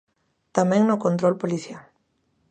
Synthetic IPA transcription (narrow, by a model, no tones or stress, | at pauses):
t̪amɛ̃ŋnʊkõnt̪ɾolpoliθjal